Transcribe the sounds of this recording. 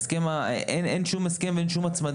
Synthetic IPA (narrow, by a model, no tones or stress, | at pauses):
skemaenenʃumeskemveenʃumat͡smad̪